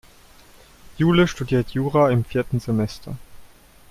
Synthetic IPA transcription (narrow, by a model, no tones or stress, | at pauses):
juːləʃtudiːɐtʰjuːʁaɪmfiːɐtn̩zemɛstʰɐ̰